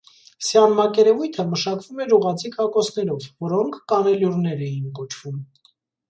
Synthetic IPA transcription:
sjɑnmɑkɛɾɛvujt̪ʰəməʃɑkv̥umɛɾuʁɑt͡sʰikɑkɔsnɛɾɔvvɔɾɔŋkʰːɑnɛljurnɛɾɛjinkɔt͡ʃʰv̥um

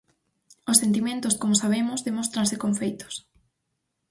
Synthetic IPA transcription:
ʊsːent̪̬imẽnt̪ʊskomʊsaβemʊzðemost̪ɾãnsɪkoɱfejt̪ʊ̥s

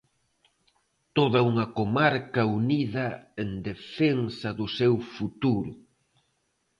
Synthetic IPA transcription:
t̪oðɐuŋɐkomaɾkɐuniðɐend̪efensɐðʊsewfut̪uɾʊ

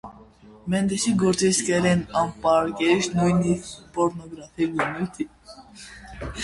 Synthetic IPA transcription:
mɛnd̪ɛsiɡɔɾt͡sʼiskɛlɛnɑmpɑɾkɛʃnujnipʼɔɾnɔɡɾafʰiɡunut̪ʰi

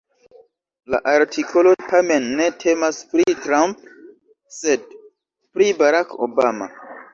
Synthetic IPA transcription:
la̰ʔaɾtʰikʰo̞lo̞tame̞nːe̞tʰe̞maspɾitɾamp̚ | se̞d̚ | pɾibaɾako̰bama̰

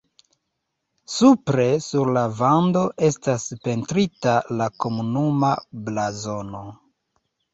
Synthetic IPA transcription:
supɾe̞suɾlavando̞ʔe̞staspe̞ntɾitalako̞munumablazo̞no̞

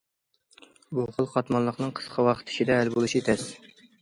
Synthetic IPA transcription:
buχəlˠqɑt̪mɑnlˠəqnɨŋqʰə̥sqʰɑwɑχə̥t̪ʰːɪ̥ʃid̪ɛːlbolˠuʃit̪ʰɛs

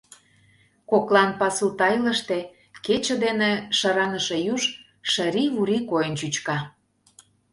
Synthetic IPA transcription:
koklˠɑnpɑsut̪ɑjlə̆ʃt̪e | ket͡ɕə̆d̪eneʃɑɾɑnəʃejuʒ | ʃə̆ɾiβuɾikojənt͡ɕyt͡ɕkɑ

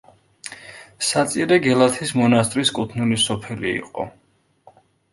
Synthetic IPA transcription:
sat̪sʼiɾɛɡɛlˠat̪ʰismɔnast̪ʼɾiskʼut̪ʰnulisɔpʰɛliḭqʼɔ̰

